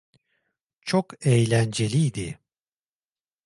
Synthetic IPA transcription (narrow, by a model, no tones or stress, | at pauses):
t͡ʃʰokɛjlʲænd͡ʒe̞lʲijd̪ɪ